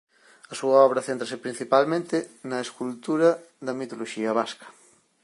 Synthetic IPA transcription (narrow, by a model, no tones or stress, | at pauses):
ɐsuɐɔβɾɐθent̪ɾɐsepɾin̟θipalmẽnt̪ɪnɐeskult̪uɾɐ | ðɐmit̪oloʃiɐβaskɐ̥